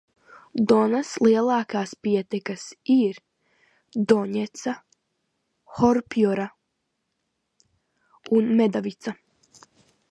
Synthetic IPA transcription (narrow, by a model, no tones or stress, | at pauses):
d̪ɔnaslˠiɛlˠɑːkaːspiɛt̪ɛkasiɾ | d̪ɔɲɛt̪sa | xɔɾpiɔɾa | unmed̪avit̪sa